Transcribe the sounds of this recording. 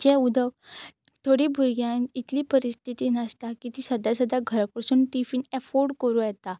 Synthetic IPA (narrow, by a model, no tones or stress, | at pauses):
d͡ʑɛ̃ud̪ʱək | t̪ʰoɽibʱuɾɡjãnit̪liːpəɾist̪ʰit̪inast̪akit̪isəd̪ʱasəd̪ʱaɡʱəɾakɾəsuːnʈifiːnɛfoɾɖkəɾujɛt̪a